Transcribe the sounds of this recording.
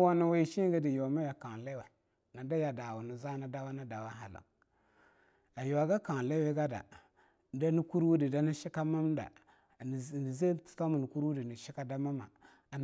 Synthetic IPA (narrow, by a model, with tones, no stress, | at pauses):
wo˦nu˦wa˦i˨ʃi˦ɡa˦di˨jo˨a˨ma˦ja˨ka˨ŋ˨le˦we˨ | na˨da˦ja˨da˨wu˨nu˨za˦na˦da˦wa˦na˦da˨wa˦ɦa˨la̰˨ŋ | a˨jo˨a˨ɡa˦ka˨ŋ˨le˦we˦ɡa˦da̰˨ | da˦ni˦ku˦ɾwu˦di˨da˦ni˦ʃi˦ka˦ma˦mda̰˨ | ze˦tta˦mu˨ni˨ku˦ɾwu˦di˨ni˨ʃi˦ka˦da˦ma˦ma̰˨